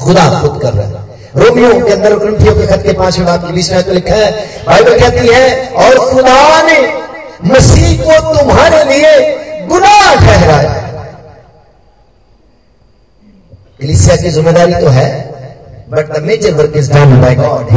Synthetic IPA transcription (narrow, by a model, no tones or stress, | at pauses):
xʊd̪axʊd̪kɐɾːa̰ɦ | ɾoːmijõkeɐ̃nd̪əɾʊknɪ̃mʈ̪ʰijõkexɐt̪kepãːt͡ʃɦɪʈaːp̚kibiːsmɛːt̪kolɪkʰːaɦɛ̃ː | baːɪbəlkɛːt̪iɦɛɔːɾxʊd̪anemɐsiːɦkot̪ʊmɦaːɾelieɡʊnaːkɛɦɾaːja̰ɦ | kɐliːsijakizɪmːeːd̪aːɾit̪oɦɛː | bɐʈk̪ameːd͡ʒəɾʋɐɾkəzd͡ʒaːnbaːɪɡɔːɖɦ